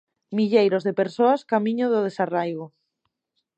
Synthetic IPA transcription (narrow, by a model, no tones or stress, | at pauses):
miʎejɾozðepeɾsoaskamĩɲoðʊð̞esarajɣʊ